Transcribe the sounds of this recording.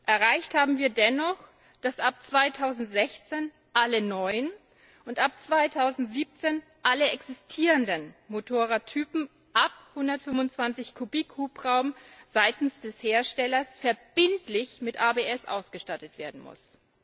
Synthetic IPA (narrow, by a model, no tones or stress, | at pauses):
ʔɛɐʁaɪçthaːbm̩viːɐdɛnɔχ | d̥asʔap̚t͡sv̥aɪtʰaʊzn̩tz̥ɛçt͡seːn | ʔalənɔʏən | ʔʊntap̚t͡sv̥aɪtʰaʊzn̩tz̥iːp̚t͡seːn | ʔaləɛksɪstʰiːʁəndənmotʰoːʁatʰyːpm̩ | ʔap̚hʊndɐtfʏmvʊnt͡sv̥ant͡sɪçkʰubiːkhuːpʁaʊmz̥aɪtn̩sd̥ɛsheːɐʃtɛlɐsfɛɐb̥ɪntlɪçmɪtʔaːbeːɛsʔa̰ʊsɡ̥əʃtatətv̥eːɐdn̩mʊ̰s